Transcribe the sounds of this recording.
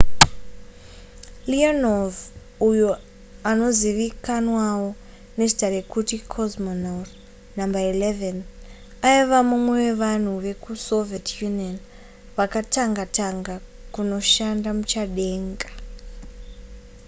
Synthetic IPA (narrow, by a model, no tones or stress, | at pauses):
lianov | ujo | ano̞ziʋikanwawo | ne̞zitare̞kutikʰozmonat | nambaileven | aiʋamumwe̞we̞ʋan̤uʋe̞kuso̞vietʰjunon | ʋakataŋɡataŋɡa | kuno̞ʃandamut͡ʃaɗe̞ːŋɡḁ